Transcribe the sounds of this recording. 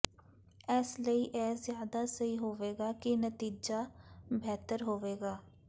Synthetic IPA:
ɛsləiːʔɛːzjaːd̪aːsəɦiːɦoːʋeːɡaːkɪnət̪iːd͡ʒaːbɛːt̪əɾɦoːʋeːɡaː

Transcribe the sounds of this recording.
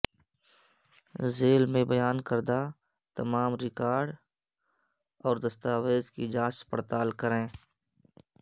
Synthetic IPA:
zeːlmẽbəjaːnkəɾd̪a | t̪ɐmaːmɾɪkaːɾɖ | ɔːɾd̪əst̪aːweːzkid͡ʒaːsspəɽt̪aːlkəɾẽː

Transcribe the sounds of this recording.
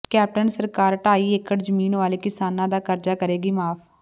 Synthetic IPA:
kɛːp̚ʈənsəɾkaːɾʈaːiːekəʈd͡ʒəmiːnʋaːleːkɪsaːnãːd̪aːkəɾd͡ʒaːkəɾeːɡiːmaːpʰ

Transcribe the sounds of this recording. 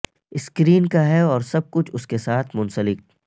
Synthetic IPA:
ɪskɾiːnkaɦɛɔːɾsɐb̚kʊt͡ʃʰʊskesaːt̪ʰmʊ̃nsəlɪk̚

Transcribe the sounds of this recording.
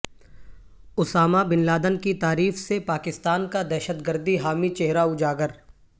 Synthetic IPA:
ʊsaːmabɪnlaːd̪ənkit̪aːɾiːfsepaːkɪst̪aːnkad̪ɛːʃət̪ɡəɾd̪iɦaːmit͡ʃeɦɾaʊd͡ʒaːɡəɾ

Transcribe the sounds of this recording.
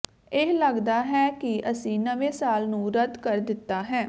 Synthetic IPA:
ɪɦləɡd̪aːɦɛːkiʔəsĩːnəʋeːsaːlnũːɾəd̪kəɾd̪ɪt̪ːaːɦɛː

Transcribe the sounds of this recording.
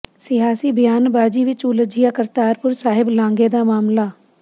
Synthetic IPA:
sɪɦaːsiːbɪjaːnbaːd͡ʒiːʋɪt͡ʃuləd͡ʒijaːkəɾt̪aːɾpʊɾsaːɦɪblãːŋɡeːd̪aːmaːmlaː

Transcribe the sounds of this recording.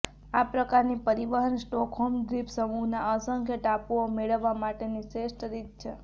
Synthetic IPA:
apɾəkaɾnipəɾibəɦənsʈɔkɦɔmdɾipsəmuɦnaəsəŋkʰjəʈapuomeɭəʋːamaʈenisesʈəɾid̪̚t͡ʃʰe

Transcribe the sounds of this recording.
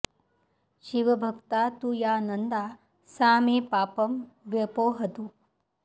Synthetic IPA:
ʃiʋɐbʱɐkt̪aːt̪ujaːnɐnd̪aː | saːmiːpaːpɐmʋjɐpoːɦɐt̪u

